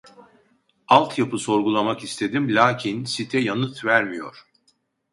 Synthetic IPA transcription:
alˠt̪ʰjapʰɯso̞ɾɡulˠamakist̪ʰe̞d̪imlʲaːcʰinsit̪ʰɛjanɯt̪ʰvæɾmijo̞̰ɾ̥

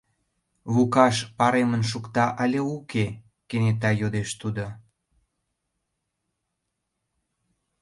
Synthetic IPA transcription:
βukɑʃpɑɾemənʃ̬ukt̪ɑʔɑlʲeuke | kenet̪̬ɑjod̪eʃt̪ud̪o

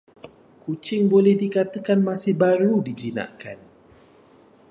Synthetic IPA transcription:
kut͡ʃɪŋbolɛhdikat̪əkanmasɪhbaɾudid͡ʒina̰ʔka̰n

